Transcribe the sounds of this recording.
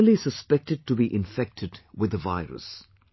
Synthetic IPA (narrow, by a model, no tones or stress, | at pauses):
lisəspɛk̚tɨd̚tubiʔɪ̃ɱfɛk̚tʰɨdwɪðəvaɪɹə̰s